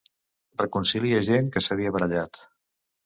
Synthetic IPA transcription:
rəkunsiliəʒeŋkəsəβiəβəɾəʎat̪

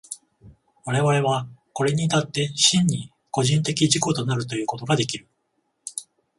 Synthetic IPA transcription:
βaɾe̞βaɾe̞β̞ako̞ɾe̞ɲ̟it̪at̪ːe̞ɕĩɲ̟ːi | ko̞ʑĩnt̪e̞kʲiʑiko̞t̪o̞naɾɯ̟t̪o̞jɯ̟ːko̞t̪o̞ɡad̪e̞kʲiɾɯ̟

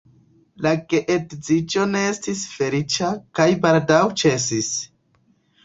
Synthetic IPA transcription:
laɡeʔetd͡zid͡ʒo̞ne̞estisfe̞lit͡ʃakajbaldawt͡ʃe̞sis

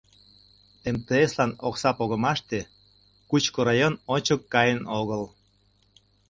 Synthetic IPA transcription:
emt̪eeslɑnoksɑpoɣəmɑʃt̪e | kut͡ɕkoɾɑjononʲt͡ɕəkːɑjənoɣəl

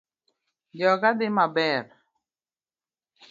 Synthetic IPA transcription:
d͡ʒɔkad̪ɪmabɛɾ

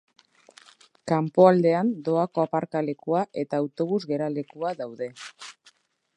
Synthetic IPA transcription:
kampo̞ald̪e̞and̪o̞ako̞apaɾkale̞kuaʔe̞t̪aːwt̪o̞β̞uzɣe̞ɾale̞kuaðawðe̞

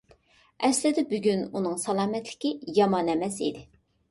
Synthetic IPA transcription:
ɛslɪd̪ɛbyɡʲynunɨŋsɑlˠɑːmɛt̪lɪ̥kʲijɑmɑnɛmɛs̬id̪ɪ

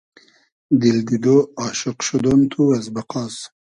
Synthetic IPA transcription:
d̪ild̪id̪oɑːʃɪqʃud̪ont̪ʰuɐzbɐqɑːs

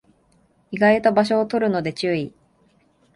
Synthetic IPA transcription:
iɡait̪o̞baɕ̬o̞ːt̪o̞ɾɯ̟no̞d̪e̞t͡ɕɨːi

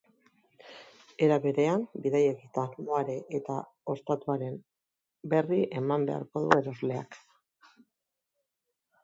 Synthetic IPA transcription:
e̞ɾaβe̞ɾe̞ambiðajeɣit̪amoaɾe̞ʔet̪a | o̞st̪at̪uaɾe̞m | be̞riʔe̞mambe̞̰a̰ɾko̞ðue̞ɾo̞zle̞a̰k

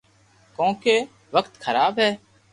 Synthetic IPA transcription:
kõːkeː | ʋəkt̪kʰəɾaːbɦɛː

